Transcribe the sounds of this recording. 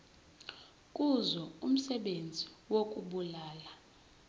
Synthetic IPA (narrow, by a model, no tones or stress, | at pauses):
kʼuzɔum̩sɛɓend͡zʱiwokʼuɓulaːla